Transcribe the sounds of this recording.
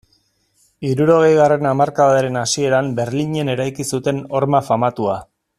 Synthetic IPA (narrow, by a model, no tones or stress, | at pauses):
iɾuɾo̞ɣ̞e̞jɣare̞namaɾkaβaðeɾe̞nasie̞ɾambe̞ɾliɲe̞ne̞ɾajkisut̪e̞no̞ɾmafamat̪ua